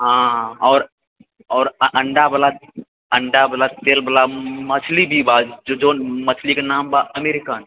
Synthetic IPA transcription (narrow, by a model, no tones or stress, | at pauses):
ɦãɔːɾ | ɔːɾəʔəɳɖabəla | əɳɖabəlat̪eːlbəlamɐt͡ʃʰlibʱibad͡ʒod͡ʒonmət͡ʃʰlikenaːmbaɐmeːɾɪkaːn